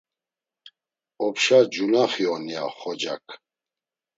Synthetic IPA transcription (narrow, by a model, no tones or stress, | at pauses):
ɔpʰʃad͡ʒulaχiɔnia̰χɔd͡ʒa̰kʼʰ